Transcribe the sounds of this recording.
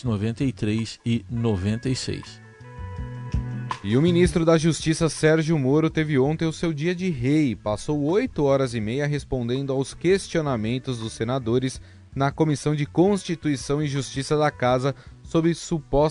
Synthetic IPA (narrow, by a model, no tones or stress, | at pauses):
novẽnt̪ejt̪ɾejsɪnovẽnt̪ejsḛjs | ɪʊminist̪ɾʊd̪ɐʒust͡ʃisɐsɛɾʒjʊmoɾʊt̪evɪõnt̪ẽj̃ʊsewd͡ʒiɐd͡ʒɪɦejpasowojt̪ʊɔɾɐzɪmejɐɦespõnd̪ẽnd̪ʊawskest͡ʃionamẽnt̪ʊzd̪ʊsːenad̪oɾɪz | nɐkomisɐ̃w̃d͡ʒɪkõst͡ʃit̪uisɐ̃w̃ɪʒust͡ʃisɐd̪ɐkazɐsobɾɪsupɔ